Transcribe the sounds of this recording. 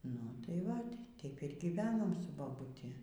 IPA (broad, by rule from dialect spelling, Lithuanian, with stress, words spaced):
ˈnʊ ˈtɐɪ ˈʋɐtʲ ˈtʲɛɪp ɪr ɡʲiːˈʋʲæːnoːm sʊ bɐbʊˈtʲɪ